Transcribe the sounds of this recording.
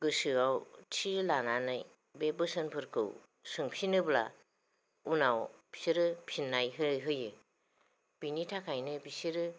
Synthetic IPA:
ɡɯsɯawtʰiɾlananaj | bebɯsɯnpʰɯɾkʰɯ̰w | sɯŋpʰinɯbla̰ | unawb̥i̥siɾɯpʰinːajɦɯɦɯjɯ | b̥initʰakʰajnɯbisiɾɯ

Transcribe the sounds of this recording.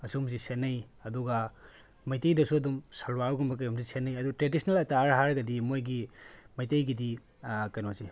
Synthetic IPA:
ɐsumzisenːɐj | ɐduɡɐ | mɐjtɐjdɐsuɐdumsɐlwaɾɡumbɐk̬ɐjumzisenːɐjɐdutɾedisnelɐtaɾɦaɾɡɐdimojɡimɐjtɐjɡidi | kɐjnozi

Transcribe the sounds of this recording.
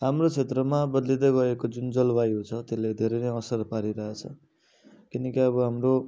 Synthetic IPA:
ɦamrot͡sʰet̪rʌmabʌd̪lid̪ʌɡʌekod͡zund͡zʌlbajɦũt͡sʰʌt̪eled̪ʱeɾʌnʌʌsʌrpaɾiɾʌɦet͡sʰʌ | kinʌkiʌbʌɦamɾo

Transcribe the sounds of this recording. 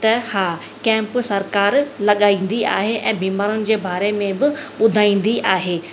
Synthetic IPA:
t̪ɐhaː | kɛ̃ːmpsɐɾkaːɾlɐɠaːĩːn̆d̪ia̰ːɦeʔɛ̃ːbiːmaːɾʊnɪ̆d͡ʑeːbʱaːɾemẽbɪɓʊd̪ʱaːĩːn̆d̪iʔaːɦeː

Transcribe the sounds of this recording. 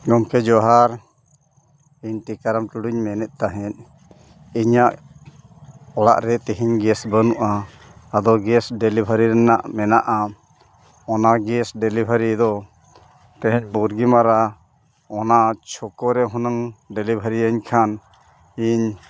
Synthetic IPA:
ɡɔmkɛd͡ʒɔɦaɾ | iɲʈikaɾamʈuɽuɲmɛnɛt̪̚ˀt̪aɦɛt̪̚ | iɲaʔ | ɔla̰ʔɾɛt̪iɦiɲɡɛsbənuʔaː | d̪ɔɡɛsɖelibʱəɾiɾɛnaʔmɛnaʔa | ɔnaɡɛsɖɛlibʱaɾid̪ɔ | t̪ɛɦɛ̃ɲbuɾɡimaɾa | ɔnat͡ʃʰɔkɔɾɛɦunaŋɖelibʱəɾijaɲkʰan | iɲ

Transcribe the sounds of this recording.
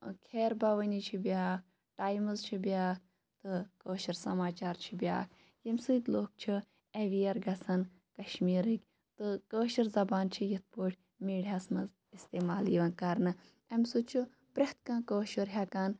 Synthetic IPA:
kʰeːɾbɐʋənit͡ʃʰibʲaːk̚ʰ | ʈaːjmɨzt͡ʃʰibʲjaːk̚ʰ | t̪ɨkəːʃɐɾsɐmaːt͡ʃaːɾt͡ʃʰibja̰ːk̚ʰ | jemsɨːt̪loːk̚t͡ʃʰi | eʋiːɐɾɡɐsɐn | kɐʃmiːɾɨkʲ | t̪ɨkəːʃɐɾzɐbaːnt͡ʃʰijit̪̚ʰpoːʈʰʲ | miːɽʲɐsmɐz | ist̪eːmaːliːʋɐnkɐɾnɨ | emsut͡ʃʰu | pɾʲɐht̪kãːkəːʃuɾɦʲɐkaːn

